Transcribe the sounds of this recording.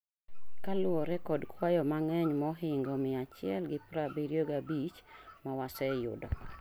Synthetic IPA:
kalʊɔɾɛkɔdkʰwajɔmaŋɛɲmɔɦɪŋɡɔmɪat͡ʃɪɛlɡɪpɾabiɾjoɡabit͡ʃmawasɛjʊ̰dɔ̰

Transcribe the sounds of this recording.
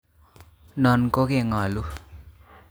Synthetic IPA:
nʌnkokeŋʌlu

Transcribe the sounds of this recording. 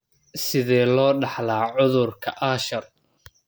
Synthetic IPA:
sɪðɛːlɔːɖɑħlaːʕʊðʊrkʰɐʔaːʃɐr

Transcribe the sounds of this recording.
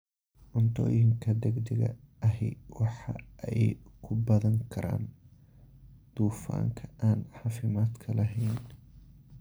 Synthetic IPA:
ʔʊnt̪ʰɔ̰ːjɪŋkʰɐd̪ɛɡd̪ɐɣɐ̰ʔɐɦɛjwɑħɑ̰ʔɛjkʰʊbɐðɐŋkʰɐɾa̰ːn | d̪̥uːfa̰ːŋkʰɐ̥aːnʕɑːfɪmaːd̪kʰɐlɐɦɛjn

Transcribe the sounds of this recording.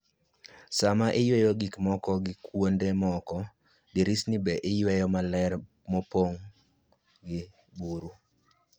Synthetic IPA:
samaʔɪjwɛjoɡikmɔkɔɡɪkwondemɔkɔ | diɾisnibɛʔɪjwɛjɔmalɛr | mɔpoŋ | ɡɪ | buɾu

